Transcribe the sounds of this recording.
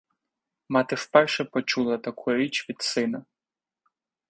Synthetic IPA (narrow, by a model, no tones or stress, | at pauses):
mɑt̪ɪwpɛrʃɛpɔt͡ʃulˠɐt̪ɐkʰujʊɾʲit͡ʃʋʲid̪sɪnɐ